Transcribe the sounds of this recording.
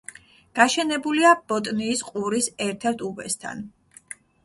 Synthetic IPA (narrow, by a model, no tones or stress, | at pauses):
ɡ̥aʃɛnɛbuliab̥ɔt̪ʼniːsqʼuɾisɛɾt̪ʰɛɾt̪ʰubɛ̰st̪ʰa̰n